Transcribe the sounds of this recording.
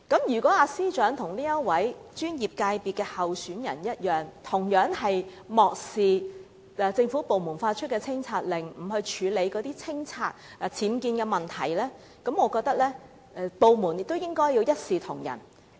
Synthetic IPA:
kɐ˨˥mjyː˨˩kɔː˨˦˥aː˨˧siː˥t͡ʃœː˨˥ŋt̪ʰʊ˨˩ŋniː˥jɐ˥t̚wɐ˨˥jt͡ʃyː˥njiː˨˩p̚kaː˧jpiː˨t̚kɛː˧hɐ˨˩wsyː˨˥njɐ̰˨˩njɐ˥t̚jœː˨˩ŋt̪ʰʊ˨˩ŋjœː˨˥ŋhɐ˨j | mɔː˨k̚siː˨˩˨ | t͡sɪ˧ŋfuː˨˥po˨wmuː˨˩nfaː˧t̚t͡ʃʰɵ˥t̚kɛ˧t͡sʰɪ˥ŋt͡sʰaː˧t̚lɪ˨˩ŋm̩˨˩hɵ˧ɥt͡ʃʰyː˨˧le˨˧jkɔː˨˧t̪iː˥t͡sʰɪ˥ŋt͡sʰaː˧t̚ːt͡sʰiː˨˥mkiː˧nkɛː˧mɐ˨˩nt̪ʰɐ˨˩jlɛː˥ | kɐ˨˥mŋɔː˨˧kɔː˧k̚t̪ɐ˥k̚lɛː˥ | ɛ˧po˨wmuː˨˩njɪ˨k̚t̪o˥wjɪ˥ŋkɔː˥ji˧wjɐ˥t̚siː˨t̪ʰʊ˨˩ŋjɐ̰˨˩n

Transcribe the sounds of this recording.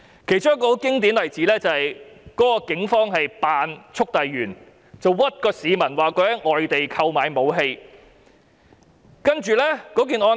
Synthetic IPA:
kʰe˨˩jt͡ʃʊ˥ŋkɔː˧kɪ˥ŋt̪̬iː˨˥nlɐ˨˩jt͡siː˨˥lɛː˥t͡sɐ˨hɐ˨jkɔː˨˥kɔː˧kɪ˨˥ŋfɔː˥ŋhɐ˨jpaː˨˧nt͡ʃʰʊ˥k̚t̪ɐ˨jɥyː˨˩n | t͡sɐ˨wwɐ˥t̚kɔː˧siː˨˧mɐ˨˩nwaː˨˩kɵ˨˧˥hɐ˨˥jŋɔː˨jt̪e˨jkʰɐ˧wmaː˨˧jmo˨˧wɦe˧j | kɐ˥nt͡ʃyː˨lɛː˥kɔː˨˥k̬i˨nʔɔː˧

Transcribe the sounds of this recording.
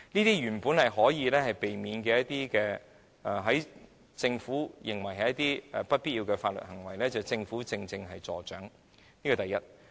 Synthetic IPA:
niː˥t̪iː˥jyː˨˩npuː˨˥nhɐ˨jɦɔː˨˥jiː˨˧lɛː˥hɐ˨jpe˨jmiː˨˧nkɛː˧jɐ˥t̚t̪iː˥kɛː˧ | ʔɛ˨˧ɦɐ˨˥j | t͡sɪ˧ŋfuː˨˥jɪ˨ŋwɐ˨˩jɦɐ˨jɐ˥t̪iː˥ɛ˨pɐ˥t̚pi˥jiː˧wkɛː˧faː˧t̚lɵ̰˨t̚hɐ˨˩ŋwɐ˨˩jlɛː˥t͡sɐ˨wt͡sɪ˧ŋfuː˨˥t͡sɪ˧ŋt͡sɪ˧ŋɦɐ˨jt͡sɔː˨t͡ʃœː˨˥ŋ | niː˥kɔː˨˧t̪ɐ˨jɐ˥t̚

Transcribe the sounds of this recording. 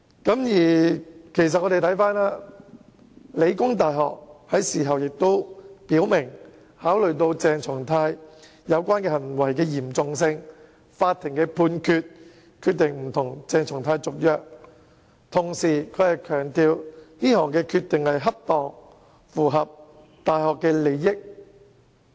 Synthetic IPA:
kɐ˨˥mjiː˨˩kʰe˨˩jsɐ˨t̚ɔː˨˧ɾe˨jt̪ʰjfaː˥nlaː˥ | le˨˧jkʊ˥ŋt̪aː˨jɦɔ̰ː˨k̚hɐ˨˥jsiː˨˩ɦɐ˨wjɪ˨k̚t̪o˥wpiː˨˥wmɪ˨˩ŋ | haː˨˥wlɵ˨ɥt̪̬o˧wt͡sɛː˨˧ŋt͡sʰʊ˨˩ŋt̪ʰaː˧j | jɐ˨˧wkʷwaː˥nkɛː˧hɐ˨˩nwɐ˨˩jkɛː˧jiː˨˩mt͡sʊ˨ŋsɪ˧ŋ | faː˧t̪ʰːɪ˨˩ŋkɛː˧pʰuː˧nkʰyː˧t̚ | kʰyː˧t̪ɪ˨ŋm̩˨˩t̪ʰʊ˨˩ŋt͡sɛː˨˧ŋt͡sʰʊ˨˩ŋt̪ʰaː˧jt͡sʊ˨k̚jœː˨k̚ | t̪ʰʊ˨˩ŋsiː˨˩kʰɵ˨˧˥hɐ˨jkʰœː˨˩ŋt̪iː˧wniː˥hɔː˨˩ŋkɛː˧kʰyː˧t̪̚ːɪ˨ŋhɐ˨jɦɐ˥p̚t̪ɔː˨ŋ | fuː˨˩ɦɐ˨p̚ | t̪aː˨jhɔː˨kːɛː˧le˨˧jːɪ˥k̚

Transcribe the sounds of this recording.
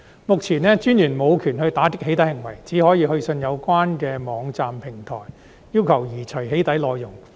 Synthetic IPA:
mʊ˨k̚t͡sʰiː˨˩nɛː˥t͡ʃyː˥njyː˨˩nmo˨˧wkʰyː˨˩nhɵ˧ɥt̪aː˨˥k̪ɪ˥k̚he˨˥t̪ɐ˧˥hɪ˨˩ŋwɐ̰˨˩jt͡siː˨˥hɔː˨˥jiː˨˧ɦɵ˧ɥsɵ˧njɐ˨˧wkʷaː˥nkɛː˧mɔː˨˧ŋt͡saː˨mpʰɪ˨˩ŋt̪ʰɔ̰ː˨˩j | jiː˥wkʰɐ˨˩wjiː˨˩t͡ʃʰɵ˨˩jɦe˨˥jt̪ɐ˨˥jlɔː˨˧jːʊ˨˩ŋ

